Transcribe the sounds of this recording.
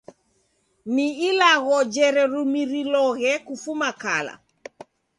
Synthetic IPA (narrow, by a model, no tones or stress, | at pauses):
niilaɣɔd͡ʒɛɾɛɾumiɾilɔɣɛkufumakala̰